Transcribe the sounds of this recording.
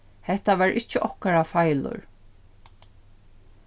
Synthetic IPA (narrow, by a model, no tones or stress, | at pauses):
hɛht̪avaːɹʔɪht͡ʃːɪʔɔhkaɾafajlʊ̰ɹ